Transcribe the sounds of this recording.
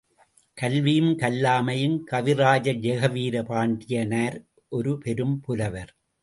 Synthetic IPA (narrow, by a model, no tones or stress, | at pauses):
kɐlʋijmkɐlːaːmɐjɪnkɐʋɪɾaːd͡ʒɐd͡ʒɛɣɐʋiːɾɐpaːɳɖɪjɐnɐɾ | ʔɔɾɯpɛɾɯmpʊlɐʋɐɾ